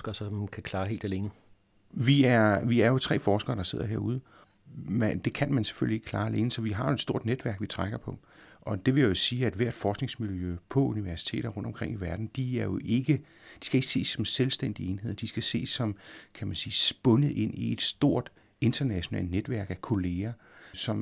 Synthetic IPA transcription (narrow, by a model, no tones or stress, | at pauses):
ɡ̥ɐsɒmkʰækʰlɑ̈ːɦe̝ːld̥æleːnə | ʋiæɐʋiæɐjo̝t͡sʰʁɛ̰ːfɒːsɡ̥ɐːɾ̥ɑ̈se̝ð̰ˠɐɦe̝ɐ̰uð̞ˠ | mæd̥e̝kʰænmænse̥fø̰lie̝ɡ̥kʰl̥ɑ̈ːæle̝ːnəsɒ̽ʋiɦɑ̈jo̝ed̥sd̥o̝ɐ̰d̥ned̥ʋæɐ̰ɡ̥ʋit͡sʰʁaɡ̥ɐpʰɒ̽ | ʔɒ̽d̥e̝ʋe̝jajo̝siːæd̥ʋæɐ̰d̥fɒːsɡ̥ne̝ŋsmiljø̰pʰɒ̽uniʋæɐsi̥t͡sʰe̝̰ːɾɐʁɔ̽n̰d̥ɒ̽mkʰʁeŋ̰iʋæɐd̥n̩d̥iæɐjo̝ʔe̝ɡ̥ə | d̥i̥sɡ̥æe̝ɡ̥ə̥se̝̰ːsːɒ̽mselsd̥en̰d̥ie̝ːnhe̝ð̰ˠɐd̥isɡ̥æse̝̰ːsːɒ̽mkʰæmænsiːsb̥ɔ̽nəð̩ˠʔe̝n̰ie̝d̥sd̥o̝ɐ̰d̥ | e̝nd̥ɐnæɕo̝nɛ̰ːlned̥ʋæɐ̰ɡ̥ækʰo̝le̝ːɐ | sɒ̽m